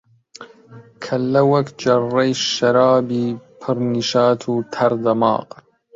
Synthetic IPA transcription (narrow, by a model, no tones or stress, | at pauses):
kʰɐlːɐwɐkd͡ʒɐrːɐjʃɐɾɑːbiːpʰɨɾniʃaːt̪ʰuːt̪ʰɐɾd̪ɐmɑ̰ːq